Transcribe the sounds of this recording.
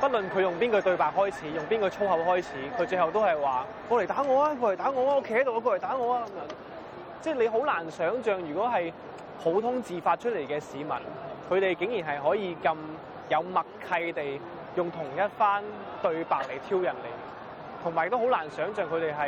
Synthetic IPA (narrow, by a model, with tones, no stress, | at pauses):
pɐ˥t̚lɵ˨nkʰɵ˨˧jʊ˨ŋpiː˥nkɵ˧t̪ɵ˧ɥpaː˨k̚hɔː˥jt͡sʰiː˨˥jʊ˨ŋpiː˥nkɔː˧t͡sʰo˥wɦɐ˨˧wɦɔː˥jt͡sʰiː˨˥kʰɵ˨˧ɥt͡sɵ˧ɦɐ˨wt̪o˥whɐ˨jwaː˨ | kɔː˨˧le˨˩jt̪aː˨˥ŋɔː˨˧aː˧ko˧le˨˩jt̪aː˨˥ŋɔː˨˧aː˥o˥kʰe˥hɐ˧˥jt̪o˧wa˨˧koː˧ljt̪aː˨˥ŋɔː˨˧aː˧kɐ˨˦mjœː˨˥ŋ | t͡sɛː˥˩le˨˧ɦo˨˥wlaː˨˩nsœː˨˥ŋt͡ʃœː˨ŋjyː˨kɔː˨˥ɦɐ˨j | pʰo˨˥wt̪ʰʊ˥ŋt͡siː˨faː˧t̚t͡ʃʰt̚le˨˩jkɛː˧siː˨˧mɐ̰˨˩nkʰɵ˨˧t̪e˨jkɪ˨˥ŋjiː˨˩nɦɐ˨jɦɔː˨˥jiː˨˧kɐ˧m | jɐ˨˧wmɐ˨kʰːɐ˧jt̪e˨j | jʊ˨˩ŋt̪ʰʊ˨˩ŋjɐ˥t̚faː˥n | t̪ɵ˧ɥpaː˨˩k̚le˨˩jt̪ʰiː˥wjɐ˨˩nlḛ˨˩j | t̪ʰʊ˨˩ŋmaː˨˩jɪ˧kt̪o˥ɦwlaː˨˩nsœː˨˥ŋt͡ʃœː˨˧ŋkʰɵ˨˧t̪e˨jɦɐ˨j